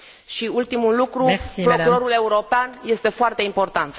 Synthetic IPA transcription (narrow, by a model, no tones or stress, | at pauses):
ʃiult̪imulukɾupɾo̞kuɾo̞ɾule̞uɾo̞peanje̞st̪e̞foart̪e̞impo̞rt̪ant̪